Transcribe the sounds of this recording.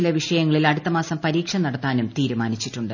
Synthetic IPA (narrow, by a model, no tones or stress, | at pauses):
ilɐʋiʂɐjɐŋːɐɭilɐɽut̪ːɐmaːsɐmpɐɾiːkʂɐnɐɽɐt̪ːaːnumt̪iːɾumaːnit͡ɕːiʈːuɳɖɨ